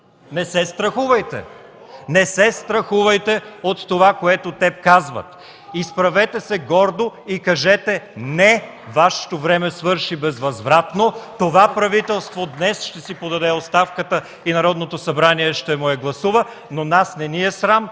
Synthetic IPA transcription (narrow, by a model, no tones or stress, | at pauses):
nɛsɛst̪ɾɐxuvɐjt̪ɛ̰ | nɛsɛst̪ɾɐxuvɐjt̪ɛot̪ːovakoɛt̪ot̪ɛpkazvə̰t̪ | ispɾɐvɛt̪ɛsɛɡɔɾd̪oikɐʒɛt̪ɛnɛ | vaʃɛ̥t̪ovɾɛmɛsvɤɾʃibɛzvɐzvɾat̪not̪ovapɾɐvit̪ɛlˠst̪vod̪nɛsʃt̪ɛsipod̪ɐd̪ɛot̪st̪afkət̪ə | inɐɾɔd̪not̪osɐbɾaniɛʃt̪ɛmoɛɡlˠɐsuvə | nonasnɛniɛsɾam